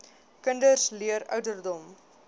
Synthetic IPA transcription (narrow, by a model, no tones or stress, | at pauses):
kəndərsliəɾœ̰ɥdərdɔm